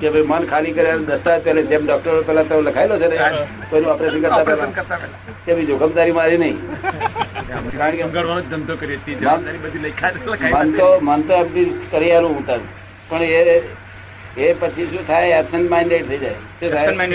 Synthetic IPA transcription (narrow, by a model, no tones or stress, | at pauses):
kebʱəimənkʰalikəɾjad̪ət̪apɛled͡ʒemɖɔk̚ʈəɾpɛːlat̪eləkʰajlot͡ʃʰene | koniɔpɾeʃənkəɾt̪apɛlakəɾt̪aɛl | kebʱid͡ʒokəbd̪aɾimaɾinəĩ | kaɾəɳkeŋɡəɽʋanõd͡ʒd͡ʒənt̪okəɾiət̪id͡ʒmanɾibəd̪ʱilɐikʰalɐkʰmənt̪omənt̪oɛpnikəɾialũũʈ̪əɾ | pəɳe | epət͡ʃʰisũt̪ʰajɛpsəɳʈmɛɳɖeʈ̚t̪ʰəid͡ʒae | t̪et̪ʰa